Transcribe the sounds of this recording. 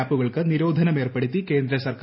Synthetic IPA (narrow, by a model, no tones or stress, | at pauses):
aːpːuɣɐɭkɨniɾo̞ːd̪ʱɐnɐme̞ːrpeɽut̪ːike̞ːnd̪ɾɐsɐrkː